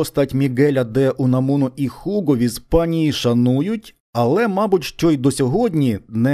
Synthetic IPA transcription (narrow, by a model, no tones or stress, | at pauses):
ɔst̪ɑtʲmʲiɡɛlʲɐd̪ɛʔunɐmunʊʔixuɡɔʋʲispɑnʲijiʃɐnujʊtʲ | ɐlˠɛmɑbʊtʲʃt͡ʃɔjd̪ɔsʲɔɦɔdʲnʲinɛ